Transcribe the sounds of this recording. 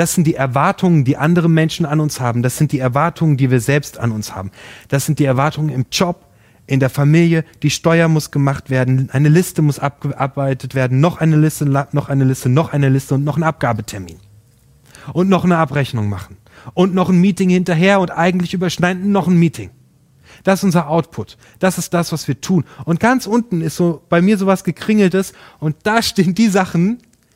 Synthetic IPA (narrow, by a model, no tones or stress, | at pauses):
d̥asz̥ɪnt̚d̥iːɛɐvaɐtʰʊŋəndiːʔandəʁ̞əmɛnʃn̩anʊnshaːbm̩d̥asz̥ɪnt̚d̥iːɛɐvaɐtʰʊŋəndiːviːɐzɛlpsta̰nʊnsha̰ːbm̩d̥asz̥ɪnt̚d̥iːɛɐvaɐtʊŋənɪmd͡ʒɔp̚ | ʔɪndeːɐfamiːljəd̥iːʃtɔʏɐmʊsɡ̥əmaχtv̥eːɐdn̩ʔaɪnəlɪstəmʊsʔap̚ɡ̥əʔaɐb̥aɪtətv̥eːɐdn̩nɔχʔaɪnəlɪstəanɔχʔaɪnəlɪstənɔχʔaɪnəlɪstəʊntnɔχn̩ap̚ɡ̥aːbətʰɛɐmḭːn | ʔʊntnɔχnəapʁɛçnʊŋma̰χn̩ | ʔʊntnɔχn̩miːtɪŋhɪntɐɦeːɐʊntʔaɪɡŋ̩tlɪçyːbɐʃnaɪn̩nːɔχn̩miːtʰɪŋ | d̥asɪsʔʊnzɐʔaʊtpʰʊt | d̥asɪstd̥asv̥asv̥iːɐtʰuːnʔʊnt̚ɡ̥ant͡sʔʊntn̩ɪstz̥oːb̥aɪmiːɐzoːvasɡ̥əkʁ̥ɪŋl̩təsʔʊnt̚d̥aːʃteːənd̥iːzaχn̩